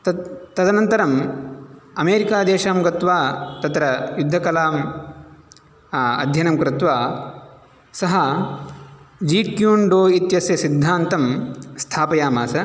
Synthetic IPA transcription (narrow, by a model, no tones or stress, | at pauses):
t̪ɐd̪ʱɐnɐnt̪ɐɾɐm | ɐmeːɾikaːd̪eːʃaːmɡɐt̪ʋaːt̪ɐt̪ɾɐjud̪ʱːɐkɐlaːm | ɐd̪ʱjɐnɐmkɾɪt̪ʋaː | sɐɦɐ | d͡ʒiːkjuːɳɖoːit̪jɐsjɐsid̪ʱːaːnt̪ɐmst̪ʰaːpɐjaːmaːsɐ